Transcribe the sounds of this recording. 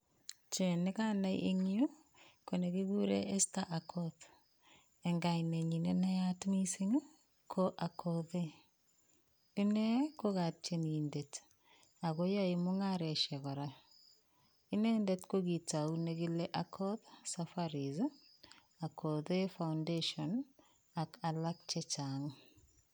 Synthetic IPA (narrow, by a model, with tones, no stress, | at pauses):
t͡ʃe˨nɪka˦na˦jʔḛŋiu˦ | ko˨neɡi˦ɡu˦ɾḛʔe˦staʔakʰɔð | e˨ŋɡa˨ine˨ɲi˨nena˦jatmi˦si˦ɲu˦ | kʰoʔa˨kʰoðe | i˦ne˦ko˦ɣa˨t͡ʃe˨nindet | a˨ɣo˦ja˦imʊŋaɾɛ˨ʃɛɣɔ˨ɾa | i˦ne˦nde˦tko˦ɣi˨ta˨uneɣi˦le˦ʔakʰɔ˦ðsafaɾiz | a˨kʰoðefawndeʃɔn | aka˨lak̚t͡ʃɛt͡ʃaŋ